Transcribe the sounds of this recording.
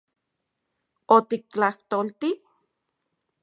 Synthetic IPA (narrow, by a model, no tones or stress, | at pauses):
ot̪ik̚t͡ɬaht̪olt̪i